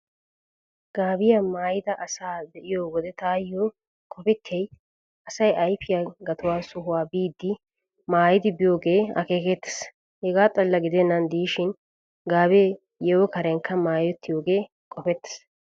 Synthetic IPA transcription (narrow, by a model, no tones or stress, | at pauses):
ɡ̥aːbɪjamaːjɪd̪ɐʔɐsaːd̪ɛʔɪjoːwɔd̪ɛt̪aːjːo | kʼɔpɪtʰːɛj | ɐsɐjɐjfɪjaɡɐt̪ʊwaːsʊɦʊwaːbiːd̪ːɪ | maːjɪd̪ɪbɪjoːɡe̞ːɐ̰keːkɛt̪ːɐ̥s | hɛɡaːt̪ʼɐlːɐɡɪd̪ɛnːɐnd̪iːʃɪn | ɡaːbe | jɛwɔkɐɾɛŋkːɐmaːjɔt̪ːɪjoːɡe̞ː | kʼɔfɛt̪ːɐ̥s